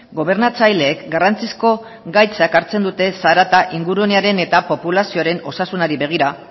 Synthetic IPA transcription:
ɡo̞β̞e̞ɾnat͡sajle̞ːkɡarant͡sisko̞ | ɡajt͡sakaɾt͡se̞nd̪ut̪e̞saɾat̪aʔiŋɡuɾueneaɾe̞ne̞t̪apo̞pulasio̞aɾe̞no̞sasunaɾiβe̞ɣ̞iɾa

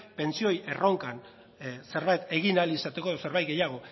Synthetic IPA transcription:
pe̞nt͡sio̞jʔe̞ro̞ŋkan | se̞ɾβajt̪e̞ɣinalisat̪ekoðose̞ɾβajt̪̚ɡe̞jaɣ̞o̞

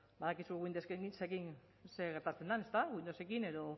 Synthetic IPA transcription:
baðakisuɣuind̪oseisekin | se̞ɣeɾt̪at͡se̞nd̪ane̞st̪aɣuind̪ose̞kine̞ðo̞

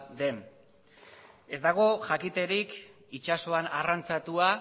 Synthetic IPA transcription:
ðe̞m | e̞zd̪aɣ̞o̞ʝakit̪e̞ɾik | it͡ʃaso̞anarant͡sat̪ua

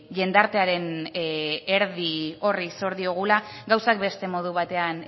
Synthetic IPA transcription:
ʎe̞nd̪aɾt̪e̞aɾe̞n | e̞ɾðio̞riso̞ɾðio̞ɣ̞ulaɡawsakbe̞st̪e̞mo̞ðuβ̞at̪e̞an

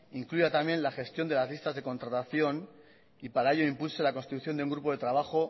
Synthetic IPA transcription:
iŋkluʝat̪amjẽ̞nlaxe̞st̪jo̞nd̪elazlist̪azðe̞ko̞nt̪ɾat̪aθjo̞n | ipaɾae̞ʎo̞impulselako̞nst̪it̪uθjondeuŋɡɾupo̞ðe̞t̪ɾaβ̞axo̞

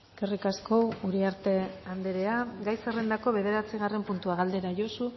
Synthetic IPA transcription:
kerikasko̞wuɾiaɾt̪e̞and̪eɾe̞aɡajserend̪ako̞βe̞ð̞e̞ɾat͡siɣ̞are̞mpunt̪uaɣ̞ald̪e̞ɾaʝo̞su

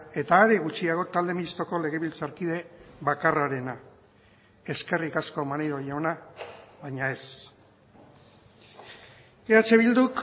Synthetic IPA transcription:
e̞t̪aːɾeɣut͡ʃiaɣo̞t̪ald̪e̞minist̪o̞ko̞le̞ɣ̞e̞βilt͡saɾkið̞e̞βakaraɾe̞na | e̞ske̞rikasko̞manejɾo̞jaonaβajɲae̞s | eɾat͡se̞βild̪uk

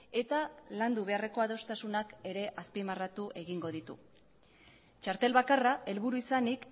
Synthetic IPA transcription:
e̞t̪aland̪uβ̞e̞are̞ko̞aðo̞st̪asunake̞ɾe̞ʔaspimarat̪uʔe̞ɣiŋɡo̞ðit̪ṵ | t͡ʃaɾt̪e̞lβakaraʔe̞lβuɾuisanik

